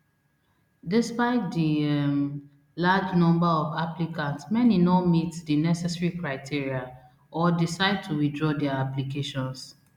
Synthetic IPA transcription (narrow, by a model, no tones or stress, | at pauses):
dɪspaɪt̚diɛm | lad͡ʒnɔ̃mbaɔvaplikãntsmɛninɔmitdinɛsɛsɹikɹaɪtʰiɹia | ʔɔdisaɪd̚tʰuwidɹɔdɛaaplikeʃɔ̃ns